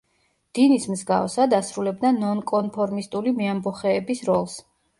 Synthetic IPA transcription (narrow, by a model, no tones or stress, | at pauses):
d̪̥inismzɡa̰fsad̪asɾulɛb̚d̪anɔnkʼɔnpʰɔɾmist̪ʼulimiambɔχɛːbisɾɔlˠs